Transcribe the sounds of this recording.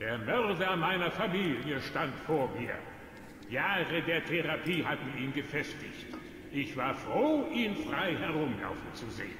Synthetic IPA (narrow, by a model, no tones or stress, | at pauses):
d̥eːɐmœɐdɐmaɪnɐfamiːljəʃtantfoːɐmiːɐ | jaːʁədeːɐtʰeʁapʰiːɦatn̩iːnɡəfɛstɪ̰çt | ʔɪçv̥aːɐfʁ̥oːʔiːnfʁ̥aɪhɛɐʁʊmla̰ʊfn̩t͡suzḛːən